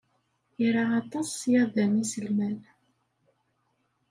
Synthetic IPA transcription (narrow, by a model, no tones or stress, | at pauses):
iɾaɑt̪ˤɑsjæðænisəlmæn